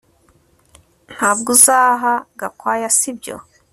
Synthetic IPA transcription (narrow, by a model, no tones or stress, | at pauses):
n̥haːbɡuzaːɦaɡakwaːjasibjo̰